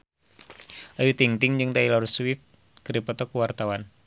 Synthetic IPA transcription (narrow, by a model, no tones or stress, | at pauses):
ʔajut̪iŋt̪ɪŋd͡ʒɨŋt̪ailɔrswif | kəɾipɔt̪ɔkuwart̪awan